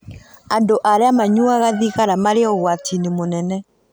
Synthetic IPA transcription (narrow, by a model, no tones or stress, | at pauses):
andoʔaɾeamaɲwaɣaðiɣaɾamaɾeɔɣwatʰinemonɛnɛ